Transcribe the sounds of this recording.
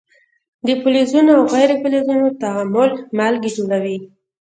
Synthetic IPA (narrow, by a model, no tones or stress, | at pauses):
d̪əpʊlezunoawɣajɾepulezunot̪aamʊlmalɡid͡ʒoɽawi